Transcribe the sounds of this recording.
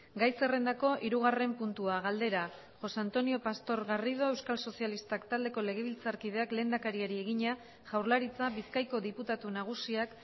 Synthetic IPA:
ɡajse̞re̞nd̪ako̞ʔiɾuɣ̞are̞mpunt̪uaɣald̪e̞ɾa | ʝo̞sant̪o̞nio̞past̪o̞ɾɣariðo̞e̞wskalso̞sijalist̪akt̪ald̪e̞ko̞le̞ɣ̞e̞β̞ilt͡saɾkið̞e̞akle̞ːnd̪akaɾiaɾie̞ɣ̞iɲa | ʝawɾlaɾit͡saβiskajko̞ðiput̪at̪unaɣ̞usiak

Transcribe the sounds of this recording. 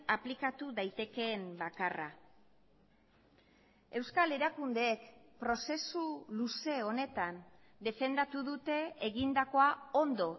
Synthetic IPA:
aplikat̪uðajt̪e̞ke̞ːmbakara̰ | e̞wskale̞ɾakund̪e̞ːkpɾo̞se̞suluse̞o̞ne̞t̪an | d̪e̞fe̞nd̪at̪uðut̪e̞ːɣind̪ako̞ao̞nd̪o̞

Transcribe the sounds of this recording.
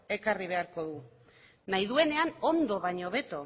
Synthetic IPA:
e̞kariβe̞aɾko̞ðu | najðue̞ne̞ano̞nd̪o̞βaɲo̞βe̞t̪o̞

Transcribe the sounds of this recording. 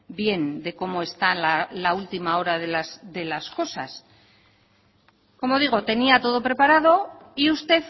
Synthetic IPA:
bje̞nd̪e̞ko̞mo̞e̞st̪alalault̪imao̞ɾaðelasd̪e̞lasko̞sa̰s | ko̞mo̞ðiɣ̞o̞t̪e̞niat̪o̞ð̞opɾe̞paɾaðo̞ | iust̪e̞θ

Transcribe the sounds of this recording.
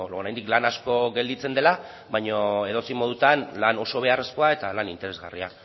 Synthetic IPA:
ooɾajnd̪iklanasko̞ɣe̞ld̪it͡se̞nd̪e̞la | βajɲoe̞ð̞ot͡simo̞ð̞ut̪anlano̞so̞β̞e̞are̞sko̞ae̞t̪alanint̪e̞ɾe̞zɣaria̰

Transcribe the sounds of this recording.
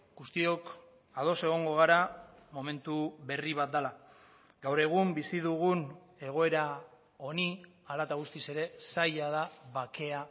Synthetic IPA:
ɡust̪io̞k | að̞o̞se̞ɣ̞o̞ŋɡo̞ɣ̞aɾa | mo̞me̞nt̪uβe̞riβ̞at̪̚d̪ala | ɡawɾe̞ɣ̞umbisiðuɣ̞un | e̞ɣ̞o̞e̞ɾa | o̞ni | alat̪aɣust̪ise̞ɾe̞sajað̞aβake̞a

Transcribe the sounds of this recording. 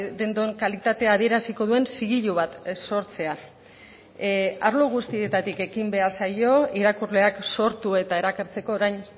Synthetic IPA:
d̪e̞nd̪oeŋkalit̪at̪e̞að̞ie̞ɾasiko̞ðue̞nsiɣiʎuβat̪so̞ɾt͡se̞a | aɾloɣ̞ust̪ie̞t̪at̪ike̞kimbe̞aɾsajo̞iɾakurle̞akso̞ɾt̪ue̞t̪ae̞ɾakaɾt͡se̞ko̞ːɾajn

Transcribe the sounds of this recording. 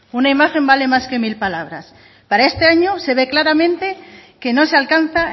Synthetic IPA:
unaimaxe̞mbale̞maske̞milpalaβ̞ɾa̰s | paɾae̞st̪eaɲose̞β̞e̞klaɾamẽ̞nt̪eke̞nosealkan̟θa

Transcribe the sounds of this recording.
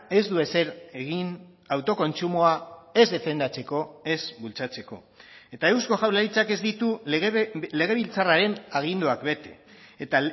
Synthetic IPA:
e̞zd̪ue̞se̞ɾeɣin | awt̪o̞ko̞nt͡sumoae̞zðe̞fe̞nd̪at͡se̞ko̞e̞zbult͡sat͡se̞ko̞̰ | e̞t̪ae̞wsko̞ʝawlaɾit͡sake̞zd̪it̪u | le̞ɣ̞e̞β̞ilt͡saraɾe̞naɣ̞ind̪oakbe̞t̪e̞ːt̪a

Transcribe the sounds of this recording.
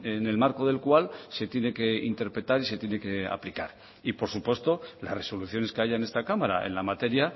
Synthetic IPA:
ene̞lmaɾko̞ðe̞lkwalse̞t̪je̞ne̞ke̞ḭnt̪e̞ɾpɾe̞t̪aɾise̞t̪je̞ne̞ke̞a̰plikaɾ | ipo̞ɾsupwe̞st̪o̞la̰sre̞so̞luθjo̞ne̞skeaʝaene̞st̪akamaɾa̰ḛnlamat̪e̞ɾja

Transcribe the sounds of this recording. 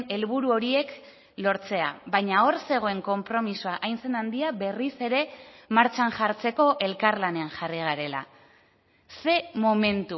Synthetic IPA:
ne̞lβuɾuo̞ɾie̞k | lo̞ɾt͡se̞aβajɲao̞ɾse̞ɣ̞o̞e̞ŋko̞mpɾo̞misoaʔajnse̞nand̪iabe̞rise̞ɾe̞maɾt͡ʃanʝaɾt͡se̞ko̞ʔe̞lkaɾlane̞anʝariɣ̞aɾe̞la̰ | se̞mo̞me̞nt̪u

